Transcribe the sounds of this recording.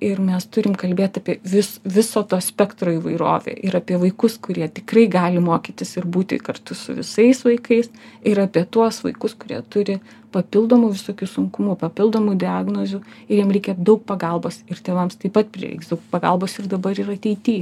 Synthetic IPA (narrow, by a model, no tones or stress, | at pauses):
ɪrmʲɛst̪ʊɾʲɪmkɐlʲbʲeːt̪ʲɐːpʲiɛʋʲɪsʋʲɪsoːt̪oːsʲpʲɛkt̪ɾoːiːʋɐɪɾo̰ːʋʲḛːʔɪɾɐpʲiɛʋɐɪkʊskʊɾʲiɛt̪ʲɪkrɐɪɡɑːlʲɪmoːkʲiːt̪ʲɪsɪɾbuːt̪ʲɪ̰kɐrt̪ʊsʊ̰ʋʲɪ̰sɐɪsʋɐɪkɐɪsɪɾɐːpʲiɛt̪uɔsʋɐ̰ɪkʊskʊɾʲḭɛt̪ʊɾʲɪ | pɐpʲɪlˠd̪oːmuʋʲɪsoːkʲuːsʊŋkʊmupɐpʲɪlˠd̪oːmud̪ʲɪɑːɡnozʲuɪjiɛmɾʲɛɪkʲɛd̪ɐʊk̚pɐɡɐlˠboːsɪɾt̪ʲeːʋɐmst̪ɐɪpːɐt̪̚pʲɾʲɪ̰ʋʲɛ̰ɪksd̪ɐʊkpɐɡɐ̰lˠboːsɪrd̪ɐbɐɾɪɾɐt̪ʲɛɪt̪ʲiː